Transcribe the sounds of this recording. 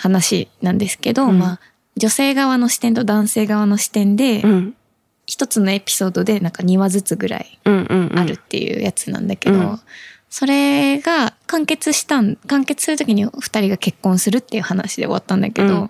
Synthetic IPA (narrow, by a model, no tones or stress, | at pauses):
hanaɕinãnd̪e̞sɨ̥ke̞d̪o̞maː | d͡ʑo̞se̞ːɡaβano̞ɕi̥t̪ẽ̞nt̪o̞d̪ãɰ̃se̞ːɡaβano̞ɕi̥t̪ẽ̞nd̪e̞ | çi̥t̪o̞t͡sɨno̞e̞pʲi̥so̞ːd̪o̞d̪e̞nãŋkaɲ̟iβazɨt͡sɨɡɯ̟ɾa̰ĩːaɾɯ̟t̪ːe̞̰jɯ̰ːjat͡sɨnã̰nd̪ake̞d̪o̞ | so̞ɾe̞ɡakãŋke̞t͡sɨɕi̥t̪ãnkãŋke̞t͡sɨ̥sɨɾɯt̪o̞kʲiɲ̟iɸɯ̥t̪aɾʲiɡake̞kːõ̞ɰ̃sɨɾɯ̟t̪ːe̞jɯ̟hanaɕid̪e̞̰o̞βa̰t̪ːãnd̪a̰ke̞d̪o̞